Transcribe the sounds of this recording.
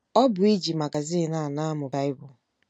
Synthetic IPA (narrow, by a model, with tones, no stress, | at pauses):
ɔ˦bʊ˨i˦d͡ʒi˨ma˨ɡa˨zi˦˨˦na˨na˦mʊ˨ba˦ɪ˦bʊ˨